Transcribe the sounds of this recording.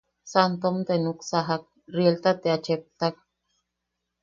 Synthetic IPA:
sant̪omt̪enuksaɦak̚ | rielt̪at̪eat͡ʃep̚t̪ak̚

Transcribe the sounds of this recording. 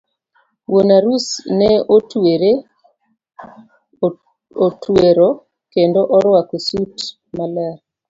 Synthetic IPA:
wonaɾusnɛotweɾe | otweɾoɔ | kendɔʔɔɾwakosut | malaɾ

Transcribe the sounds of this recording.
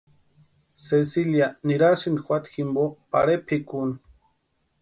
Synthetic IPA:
sesiljaniɾasind̪xʷwat̪ximbopa̰ɾepʰekun

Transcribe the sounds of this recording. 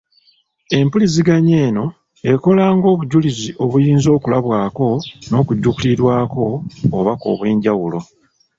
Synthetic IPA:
e̞mpuliziɡaɲe̞ːno̞ | e̞ko̞laːŋɡo̞ːβuɟuliziʔo̞βujiːnzo̞ːkulaβwaːko̞no̞ːkuɟːukuliɾwaːko̞ːβako̞̰ːβwe̞ːɲɟawulo̞

